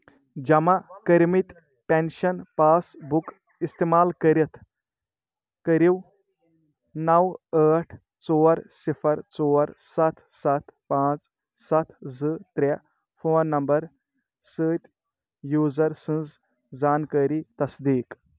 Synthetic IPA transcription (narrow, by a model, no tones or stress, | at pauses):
d͡ʒɐmakəɾmit̪ | penʃɐnpaːsbuk | ist̪eːmaːlkəɾit̪ʰ | kəɾiw | nɐwəːʈʰ | t͡soːɾsifʰɐɾt͡soːɾsɐt̪ʰsɐt̪ʰpãːt͡s | sɐt̪ʰzɨt̪ɾʲe | fʰoːnːɐmbɐɾ | səːt̪ʲ | juːzɐɾsɨ̃nz | d͡zaːnkaːɾiːt̪ɐsd̪iːk